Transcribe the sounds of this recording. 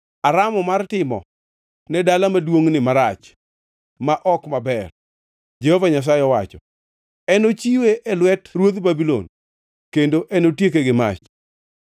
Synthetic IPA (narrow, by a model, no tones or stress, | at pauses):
aɾamɔmartɪmɔ̰ | nɛdalamadwoŋnɪmaɾat͡ʃ | maʔɔkmabɛr | d͡ʒehovaɲas̬ajɪɔwat͡ʃɔ | ɛnot͡ʃiweʔɛlwɛtɾwod̪babilo̰n | kendoʔɛnotjek̬eɡɪma̰t͡ʃ